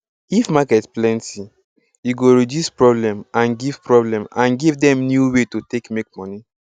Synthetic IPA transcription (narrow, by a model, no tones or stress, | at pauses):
ifmakɛtplɛ̃nti | juɡoɹidjuspɹɔblɛ̃mãnɡiv̥pɹɔblɛ̃mãnɡivdɛ̃mnjuwetotekmek̚mɔni